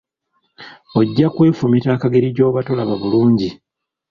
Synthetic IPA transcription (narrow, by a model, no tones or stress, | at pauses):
o̞ɟːakwe̞ːfumitaːkaɡe̞ɾiɟo̞ːβato̞laβaβuluːɲɟi